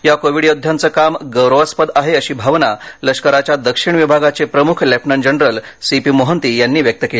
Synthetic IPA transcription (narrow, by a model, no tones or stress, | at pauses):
jakoʋiɽjod̪ʱjant͡səːkamɡəwɾoʋaspəd̪aɦeəɕiːbʱaʋnaləʂkəɾat͡ɕjad̪əkʂiɳ̃ʋibʱaɡat͡sepɾəmukʰlepʰnəɳd͡ʑənɾəlsipiːmoɦənt̪iːjanːiːʋjək̚t̪əkeliː